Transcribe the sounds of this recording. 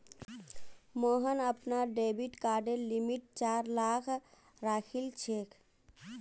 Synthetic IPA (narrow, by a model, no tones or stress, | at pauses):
moɦənəpnaɖebiʈkaɖelimiʈ̚t͡ʃaɾlakʰ | ɾakʰilt͡ʃʰekʰ